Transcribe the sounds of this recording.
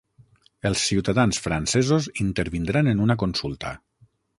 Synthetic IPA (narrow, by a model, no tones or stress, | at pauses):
əlˠsːiwt̪aðansfɾansɛzozint̪əɾβind̪ɾanenunak̬onsulˠt̪ə̰